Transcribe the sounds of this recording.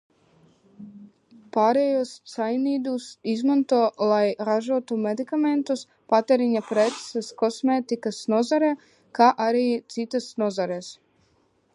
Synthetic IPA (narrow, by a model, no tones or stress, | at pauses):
paɾejossajnid̪usizmont̪olajɾaʒot̪omed̪ikament̪us | pat̪eɾiɲapɾet̪seskosmet̪ikasnozaɾe | kaʔaɾit̪sit̪asnozaɾes